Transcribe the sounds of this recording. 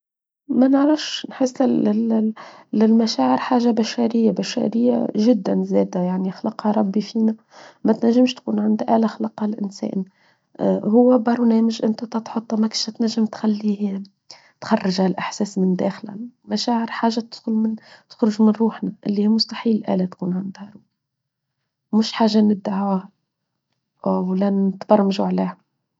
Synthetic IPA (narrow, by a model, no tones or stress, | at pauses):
mænəʕɾɑfʃʃnħɪsːɪɪ | lɪlmæʃæːʕɪɾħaːʒabæʃæɾɪjːabæʃæ̰ɾɪjːa̰ʒɪd̪ːænzɛːd̪æjaʕnixlɑqhɑɾˤɑbːifiːnæ | mæt̪næʒːɪmʃt̪kuːnʕand̪ʔæːlæxlɑqɑlʔɪnsɛ̰ːʔn | hʊwːæbɑɾˤnɛːməʒʔɪnt̪æt̪æt̪ħʊt̪ˤːɑmækʃæt̪næʒːəmt̪xalːi | t̪xɑrˤːɑʒhælʔaħsɛːsmɪnd̪æːxlæ̰mæʃæːʕəɾħaːʒːat̪ʊd̪xʊlmɪnt̪ʊ̥xɾʊʒmɪnɾˤuːħnæʔɪlːihimʊst̪aħiːlʔæ̰ːlæt̪kuːnʕand̪hæɾˤuː | mʊʃħaːʒːanɪd̪ːaʕuːhæ | ʔwlænɪt̪bɑɾˤmʒuʕliːhæ